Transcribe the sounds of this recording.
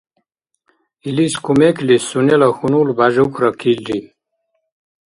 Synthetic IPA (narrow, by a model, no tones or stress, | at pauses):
iliskumeklissunelaxunulbaʑukʰɾakʰilɾi